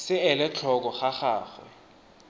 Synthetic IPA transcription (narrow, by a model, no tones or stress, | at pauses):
sɪɛlɛt͡ɬʰɔk̬ɔχaχaːxwɛ̰